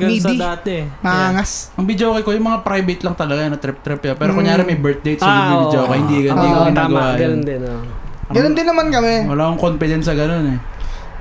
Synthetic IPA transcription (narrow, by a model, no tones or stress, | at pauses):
ɡɐid̪idaːt̪ɛmɐaŋasʔɐŋbɪd͡ʒoːkɐkojʊŋmɐŋapɾajbɛt̪lɐŋt̪ɐlɐɡanɐt̪ɾɛp̚t̪ɾɛpjɐpɛːɾokʊŋjaːɾɛmɐjbɛɹt̪̚d̪ejt̪ssɐdid̪ibɪd͡ʒoːkɐhɪnd̪iɡɐnd̪ikɐɪnaːɡɐwaːjɐnd̪ɪnoɡɐnond̪ɪnːɐmankɐmɛwɐlaːkʊŋkonpɪd̪ɛnsɐɡɐno̞nɛ